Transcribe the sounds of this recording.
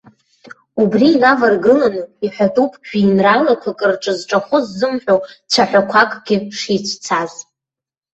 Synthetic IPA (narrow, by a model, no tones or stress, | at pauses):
ubriːlavarɡɨlanɨiħʷᶣatʼupʰʼɡᶣiːnralakʷʰakʼɨrʈ͡ʂʼɨzʈ͡ʂʼaχʊzːɨmħᶣot͡ʃʷʰaħʷᶣakʷʰakʼɡʲɪʂit͡ʃʷʰt͡sʰaz